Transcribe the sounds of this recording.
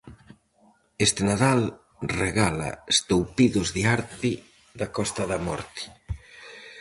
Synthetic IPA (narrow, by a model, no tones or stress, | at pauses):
est̪enaðal | reɣala̰est̪owpiðʊzðiaɾt̪ɪ | ðakɔst̪aðamɔ̰ɾt̪i̥